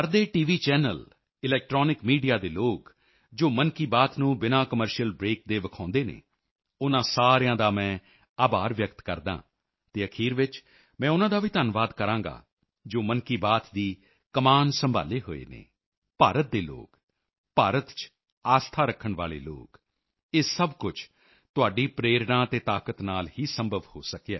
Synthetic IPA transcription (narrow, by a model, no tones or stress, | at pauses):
əɾd̪eːʈiːʋiːt͡ʃɛːnəl | ɪlɛːk̚ʈɾoːnɪkmiːɖijaːd̪eːloːk | d͡ʒoːmənkiːbaːt̪nũːbɪnãːkəməɾʃijəlbɾeːk̚d̪eːʋəkʰãːnd̪eːnḛː | ʊnãːsaːɾjãːd̪aːmɛ̃ː | aːbaːɾʋjəkt̪kə̰ɾd̪ã̰ː | t̪eːəkʰiːɾʋɪt͡ʃ | mɛ̃ːʊnãːd̪aːʋiːt̪ənʋaːd̪kəɾãːŋɡa̰ː | d͡ʒoːmənkiːbaːt̪d̪iː | kəmaːnsəmbʱa̰ːleːɦo̰ːḛːnḛː | paːɾət̪̚d̪eːlo̰ːk | paːɾət̪t͡ʃ | aːst̪ʰaːɾəkʰːəɳʋaːlḛːlo̰ːk | eːsəbkʊt͡ʃʰ | t̪ʊaːɖiːpɾeːɾnãːt̪eːt̪aːkət̪naːlhiːsə̃mbʱəʋho̰ːsəkjɛ̰ː